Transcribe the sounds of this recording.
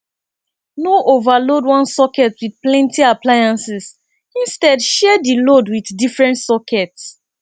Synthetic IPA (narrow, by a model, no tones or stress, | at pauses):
noʔovalodwɔ̃nsɔkɛtwid̚plɛ̃ntiaplajãnsis | ĩnstɛdʃɛdilodwiθdifɹɛ̃ntsɔkʰɛts